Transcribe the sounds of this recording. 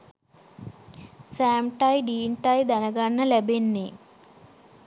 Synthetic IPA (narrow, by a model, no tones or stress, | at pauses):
saːmʈajɖiːɳʈajd̪ɐnɐɡaɳːɐlebenːe